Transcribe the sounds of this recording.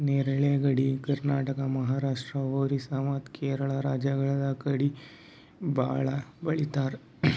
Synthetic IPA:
neɾɭjaɡəɽikəɾnaːʈəkamɐɦaɾaʂʈɾaʋoɾisamat̪keɾəɭaɾad͡ʒjaɡɐɭalakəɽi | baɭabɐɭit̪aɾ

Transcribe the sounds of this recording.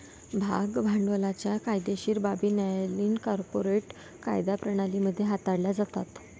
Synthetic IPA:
bʱa̰ɡbʱaɳɖʋəlat͡ɕjakajd̪eɕiːɾbabiːnjajliːnkɔɾpoɾeʈ | ka̰jd̪apɾəɽ̃aliməd̪ʱːjeɦat̪aɽlad͡zat̪at̪

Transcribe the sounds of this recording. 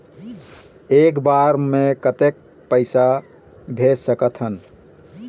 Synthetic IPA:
eːkbaɾmẽkət̪ek̚ | pəɪsa | bʱed͡ʒsəkət̪ʰɦən

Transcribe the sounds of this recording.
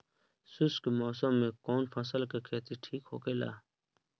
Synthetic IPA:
suskemoːsəmːẽːkoːnpʰɐ̃ːsəlkekʰeːt̪iʈʰiːkɦo̰ːɡeːla̰ː

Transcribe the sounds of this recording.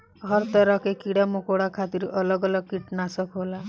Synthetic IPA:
ɦɔɾt̪ɔɾɔkekiɽamokoɽakʰat̪iɾɔlɔɡɔlɔɡ̚kiʈnasɔkɦola

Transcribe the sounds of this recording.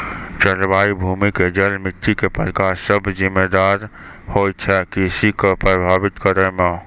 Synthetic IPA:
t͡ʃəɾbaːibʱuːmiked͡ʒəlmɪʈʰːikepəɾkaːɾsəbʱzɪmːed̪aːɾ | hoːjt͡ʃʰɛkisikopɾəbʱaːbɪt̪kəɾəmẽ

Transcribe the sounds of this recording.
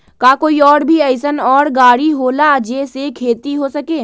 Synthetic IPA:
kaːkoːiɔːɾbʱiəɪsənɔːɾɡaːɽiɦoːlaəd͡ʒesekʰeːt̪iɦosəkeː

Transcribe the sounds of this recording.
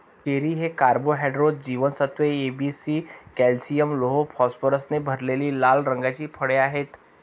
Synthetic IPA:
t͡ʃeɾiɦekaɾboɦɛɖɾod͡ʑiːʋənsət̪ʋeebisiːkɛlsijəmloɦopʰɔspəɾəsnebʱəɾleliːlalɾə̃ŋɡat͡ɕiːpʰəɽeaɦet̪

